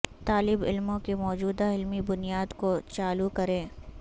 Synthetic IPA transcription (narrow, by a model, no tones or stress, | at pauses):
t̪aːlɪbɪ̰lmõkimɔːd͡ʒuːd̪aɪlmibʊnijaːd̪kot͡ʃaːlukɐɾẽː